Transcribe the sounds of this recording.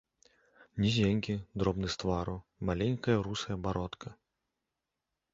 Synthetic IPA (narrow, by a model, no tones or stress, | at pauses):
nʲizʲeŋʲkʲid̪ɾɔbnɨst̪vaɾumalʲenʲkɐjɐɾusɐjɐbaɾɔt̪kʰɐ